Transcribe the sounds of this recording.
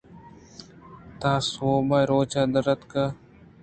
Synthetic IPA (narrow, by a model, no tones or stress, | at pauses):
t̪aːsoːmaːjɾoːt͡ʃaːd̪əɾət̪ka